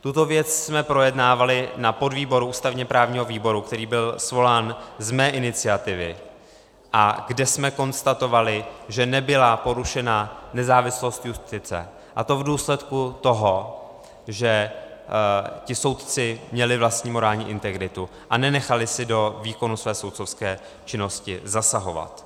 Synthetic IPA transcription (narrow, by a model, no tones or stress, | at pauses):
t̪ut̪o̞vjɛt͡ssmɛpɾo̞jɛdnaːvalɪnapo̞dviːbo̞ɾuʔuːst̪avɲɛpɾaːvɲiːɦo̞viːbo̞ɾukt̪ɛɾiːbɪlsvo̞laːnzmɛːʔɪnɪt͡sɪat̪ɪvɪ | ʔaɡdɛsmɛko̞nst̪at̪o̞valɪʒɛnɛbɪlapo̞ɾuʃɛnanɛzaːvɪslo̞st̪just̪ɪt͡sɛ̰ | ʔat̪o̞vduːslɛt̪kut̪o̞ɦo̞ | ʒɛ | cɪso̞wt̪t͡sɪmɲɛlɪvlast̪ɲiːmo̞ɾaːlɲiːʔɪnt̪ɛɡɾɪt̪u | ʔanɛnɛxalɪsɪdo̞viːko̞nusvɛːso̞wt̪so̞fskɛː | t͡ʃɪno̞scɪzasaɦo̞va̰t̪